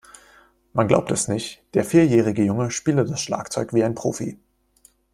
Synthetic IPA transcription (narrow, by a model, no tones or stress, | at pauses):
manɡla̰ʊp̚tɛsnɪçtd̥eːɐfiːɐjɛːʁ̞ɪɡəjʊŋəʃpiːlədasʃla̰ːkt͡sɔʏkviːaɪnpʁ̥oːfḭ